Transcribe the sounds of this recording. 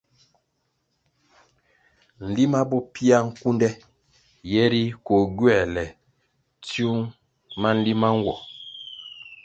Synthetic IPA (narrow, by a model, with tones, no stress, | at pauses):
n̩˨li˦ma˦bɔ˦pi˦a˦ŋ̩˦ku˦ndɛ˦ | jɛ˦ɾi˦kɔ˨ɡɥɛ˦˨lɛ˨ | tjo˦ŋ | ma˦n̩˦li˦ma˦ŋ̩˦wɔ˨